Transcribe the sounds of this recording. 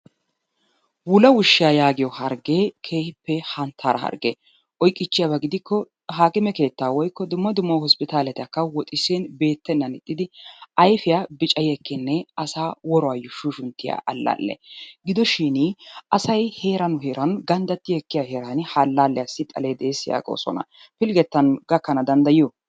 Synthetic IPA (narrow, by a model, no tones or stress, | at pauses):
wʊlɐwʊʃːɪjaːjaːɡɪjɔhɐɾɡeːkʰe̞ːhɪpːɛhɐnt̪ʰːaːɾɐhɐ̰ɾɡe | ʔɔjkʼːɪt͡ʃːɪjaːbɐɡɪd̪ɪkːɔ | ɦaːkɪmɛke̞ːt̪ːaːwɔjkːɔd̪ʊmːɐd̪ʊmːɐwhɔspɪt̪aːlɛt̪ɪɐkːɐwɔt̪ʼɪseːnbe̞ːt̪ːɛnːɐnɪt̪ʼːɪd̪ɪɐjfɪjaːbɪt͡ʃʼɐjɛkːɪnːɛɐsaːwɔɾɔaːjʊʃuʃʊnt̪ːɪja̰ʔɐlːa̰ːlːɛ̰ɡɪd̪ɔʃɪnʔɐsɐjhe̞ːɾɐnʊhe̞ːɾʔɐnɡɐnd̪ɐt̪ːɪjɛkːɪjahe̞ːɾanɪhɐlːaːlːɛjɐsɪt̪ʼɐ̰leːd̪eːsɪja̰ːɡo̰ːsɔ̰nɐ̰ | pɪlɡɛt̪ːɐnɡɐkːɐnɐd̪ɐnd̪ɐjɪjɔ